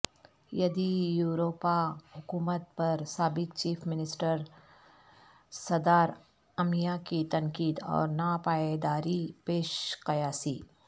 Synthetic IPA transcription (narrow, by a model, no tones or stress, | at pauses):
jɐd̪ijuːɾoːpahʊkuːmət̪̚pɐɾsaːbɪkt͡ʃiːfʰmɪnɪsʈəɾ | sɐd̪aːɾ | ɐmijakit̪ɐ̃ŋkiːd̪ɔ̰ːɾnapaːed̪aːɾipeːʃqɐjaːsiː